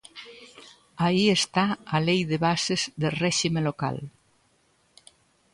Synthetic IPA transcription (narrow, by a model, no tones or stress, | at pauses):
aiest̪aalejðeβasezðelrɛʃimeloka̰l